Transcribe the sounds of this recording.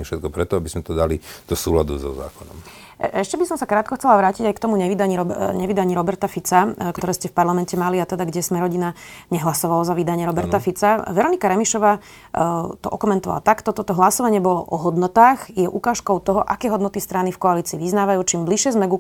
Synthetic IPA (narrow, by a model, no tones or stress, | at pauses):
fʃɛt̪̚kɔpɾɛt̪ɔabizmɛt̪ɔd̪alid̪̥ɔsuːla̰d̪uzɔ̰za̰ːkɔnɔm | ɛʃcɛbisɔmsakɾaːt̪̚kɔxt͡sɛlaʋɾaːciɟajkt̪ɔmuɲɛʋid̪aɲiɾɔɲɛʋid̪aɲiɾɔbɛɾt̪afit͡sakt̪ɔɾɛːscɛfpaɾlamɛncɛmaliat̪ɛd̪aɡɟɛsmɛɾɔɟinaɲɛɦlasɔʋalazaʋid̪aɲɪɛɾɔbɛɾt̪afit͡saʋɛɾɔnikaɾɛmiʃɔʋaː | t̪ɔ̰ʔɔkɔmɛnt̪ɔʋa̰la̰t̪akt̪ɔt̪ɔt̪ɔɦlasɔʋaɲɪɛbɔlɔʔɔɦɔd̪nɔt̪aːxjɛʔukaːʃkɔʊt̪ɔɦɔʔakɛːɦɔd̪nɔt̪ist̪ɾanifkɔaliːt͡siːʋiznaːʋajuːt͡ʃiːmbliʃɪɛzmɛɡu